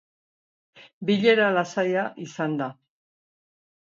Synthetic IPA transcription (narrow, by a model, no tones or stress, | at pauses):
biʎe̞ɾalasajaʔisand̪a